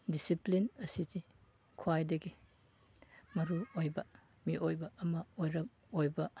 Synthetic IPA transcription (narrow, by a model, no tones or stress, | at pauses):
disiplinɐsizi | kʰwajdɐɡi | mɐɾuojbɐ | miʔojbɐːmɐojɾɐk̚ | ojbɐ